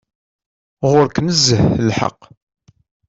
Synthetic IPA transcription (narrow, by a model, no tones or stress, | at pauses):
ʁʊɾkməzːəhlħə̰qː